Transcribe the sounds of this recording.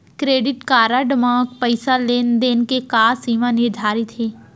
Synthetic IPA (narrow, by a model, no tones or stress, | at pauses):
kɾeːɖɪʈkaːɾaɖɪmãːkpəɪsaleːnd̪eːnkekaːsiːmanɪɾd̪ʱaːɾɪt̪ɦeː